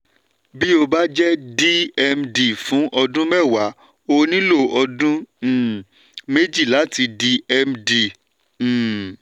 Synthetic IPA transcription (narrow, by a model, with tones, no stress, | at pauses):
bi˦o˧ba˦d͡ʒɛ˦di˦ɛ˧mdi˨fũ˨˦ʔɔ˧dũ˦mɛ˦˨wa˨˦ | o˧nĩ˦lo˦˨ɔ˧dũ˦˨ | me˦d͡ʒi˦˨la˨˦ti˧di˧ɛ˧mdĩ˨